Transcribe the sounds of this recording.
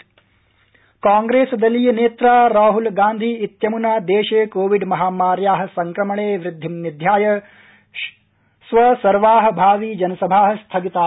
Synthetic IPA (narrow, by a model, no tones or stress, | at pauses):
kaːŋɡɾeːsd̪ɐlijeneːt̪ɾaːɾaːɦulɡaːnd̪ʱiːt̪jɐmunaːd̪eːʃeːkoːʋiɖmɐɦaːmaːɾjaːɦɐ̆sɐŋkɾɐmɐɳeːʋɾɪd̪ʱːimnid̪ʱjaːjɐ | sʋɐsɐɾʋaːɦɐ̆bʱaːʋiːd͡ʒɐnɐsɐbʱaːɦɐ̆st̪ʰɐɡit̪aː